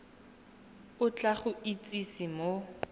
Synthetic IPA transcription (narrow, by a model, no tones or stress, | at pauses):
ʊt͡ɬʼaχʊʔit͡sʼisɪmo